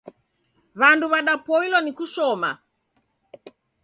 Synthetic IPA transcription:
βanduβaɗapɔilɔnikuʃɔma̰

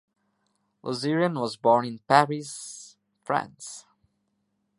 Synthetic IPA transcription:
lʔɔ̰ziɹiə̃nwɔzbɔɹnɪ̃npæɹiz | fɹæ̰̃ns

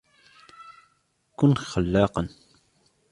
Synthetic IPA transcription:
kʊnxalːɑːqɑn

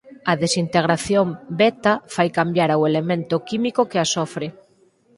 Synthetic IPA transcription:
ɐðesint̪eɣɾaθjombɛt̪afajkambjaɾawelemẽnt̪ʊkimikokeasɔfɾɪ

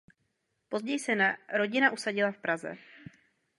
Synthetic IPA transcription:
po̞zɟɛjsɛnaɾo̞ɟɪnaʔusaɟɪlafpɾazɛ̰

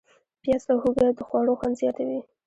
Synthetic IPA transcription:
pjɑsawhuɡad̪əxwɑɽoxwand̪zjɑt̪awi

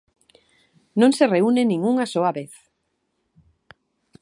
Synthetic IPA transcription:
nõŋsereunenĩŋuŋasoaβeθ

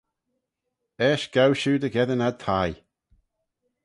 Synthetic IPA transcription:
ɛːʃɡ̥awʃuːd̪əɡɛðənad̪̚t̪ʰaj

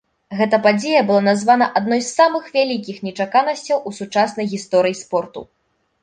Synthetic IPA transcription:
ɣɛt̪ɐpad͡zʲejɐbɨlˠanazvanɐʔad̪̚nɔjsːamɨxvʲalʲik̬ʲixnʲɛt͡ʂakanɐsʲt͡sʲɐwʔusut͡ʂasnɐjɣʲist̪ɔɾɨjispɔrt̪ṵ

